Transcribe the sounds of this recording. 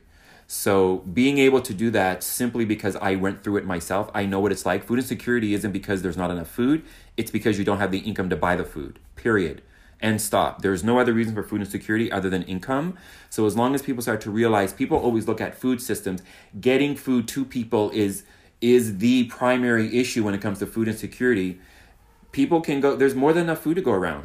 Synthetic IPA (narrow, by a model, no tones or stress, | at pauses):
soʊbiɪ̃ŋeɪbl̩ˠtʰɨdɨðætsɪ̃mplibɨkʰʌza̰ɪwɛ̃nθɹʉɨt̚maɪsɛlˠfa̰ɪnoʊwʌɾɨtslaɪkfʉɾɨ̃nsɨkʰj̥ʊɹɨɾiɪzɨ̃nb̥ɨkʰʌzðə˞znəɾɨnʌfuɾ | ɨtsb̥ɨkʰʌzjɨdõʊ̃ntɦɨvðiʔɪ̃nkʌ̃mtɨbaɪðəfṵd̥̚ | pʰɪɹiɨ̰ɾ | ʔɨ̃nstɑ̰p̚ðə˞znoʊʌðə˞ɹiznfə˞fʉɾɨ̃n̩sɨkʰj̥ʊɹɨɾiʔʌðə˞ðɨ̃nɪ̰̃nkʰʌ̃msoʊəzlɔ̃ŋɨz̥pʰipl̩ˠstɑɹtʰɨɹiəlaɪz̥pʰipl̩ˠʔɔlˠwizlʊkɨtfud̥sɪstɨ̃mz | ɡɛɾɪ̃ŋfud̚tʰɨpʰipl̩ˠɪz | ɪzðɨpʰɹ̥ãɪ̃mɛɹiʔɪʃʉwə̃nɨt̚kʰʌ̃mz̥tʰɨfʉɾɨ̃nsɨkʰj̥ʊɹɨɾi | pʰipl̩ˠkʰɨ̃nɡoʊðə˞zmɔɹðɨ̃nɨnʌfʉd̚tʰɨɡoʊə˞ã̰ʊ̃nd̥